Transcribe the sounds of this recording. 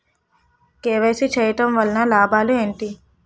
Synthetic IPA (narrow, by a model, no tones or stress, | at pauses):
keːʋeːsit͡ʃeːjɐʈɐmʋɐlnɐlaːbaːlueːɳʈi